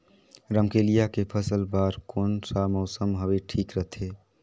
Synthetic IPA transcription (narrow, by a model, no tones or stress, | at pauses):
ɾəmkeːlijakepʰəsəlbaːɾkoːnsamɔʊsəmɦəbeʈʰiːkɾəɦt̪ʰe